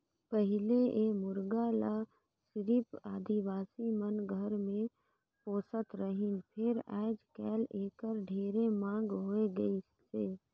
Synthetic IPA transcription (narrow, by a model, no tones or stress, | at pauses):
pəɦɪleʔemʊɾɡala | sɪɾipaːd̪ʱiʋaːsimənɡʱəɾmẽ | poːsət̪ɾəɦɪnpʰɪɾɛ̰ːd͡ʒkɛːleːkəɾɖʱeːɾemãːŋɡɦoːeɡəi | seː